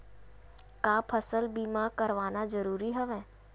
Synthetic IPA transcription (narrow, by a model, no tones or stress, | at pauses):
kaːpʰəsəlbiːmãkɐɾʋaːnazəɾuːɾiɦɛʋɛ̃ː